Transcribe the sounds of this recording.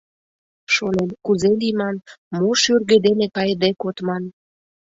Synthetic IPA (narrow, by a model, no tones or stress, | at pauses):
ʃonenkuzelimɑnmoʃyrɣĕd̪enepɑjd̪ekot̪mɑn